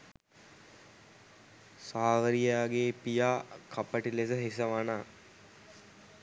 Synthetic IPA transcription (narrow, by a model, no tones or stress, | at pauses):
saːʋəɾijaːɡeːpijaːkʰapəʈilesəɦis̬əʋanaː